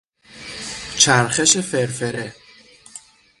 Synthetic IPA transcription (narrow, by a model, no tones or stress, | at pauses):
t͡ʃʰæɾxeʃefeɾfeɾe